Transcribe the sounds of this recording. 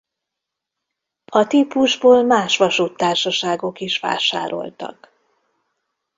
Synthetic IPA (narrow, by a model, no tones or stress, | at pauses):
ɒt̪iːpuʒboːlmaːʃʋɒʃut̪ːaːrʃɒʃaːɡo̞kiʃʋa̰ːʃa̰ːɾo̞̰lt̪ɒ̰k